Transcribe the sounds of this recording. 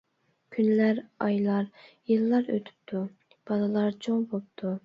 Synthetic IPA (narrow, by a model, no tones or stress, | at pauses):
kʲʰynlæɾɑjlˠɑɾ | jɨlˠːɑɾø̰t̪ʰy̥p̚t̪ʰu | b̥ɑlˠɨlˠɑɾt͡ʃʰoŋbop̚t̪ʰu